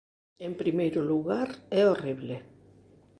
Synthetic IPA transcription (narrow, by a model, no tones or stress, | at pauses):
empɾimejɾʊluɣaɾɛoriβle